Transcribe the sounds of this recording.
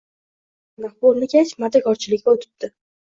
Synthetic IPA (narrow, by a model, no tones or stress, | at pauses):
naχbolˠnɪɡʲat͡ʃmad̪akʲʰɒɾt͡ʃʰɪlɪkʲːaot̪ʰɪ̥p̚d̪̥ɪ